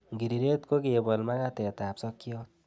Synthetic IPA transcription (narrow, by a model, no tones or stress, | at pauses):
ɡiɾiɾet̪koɡebʌlmaɡat̪et̪apsʌkːijo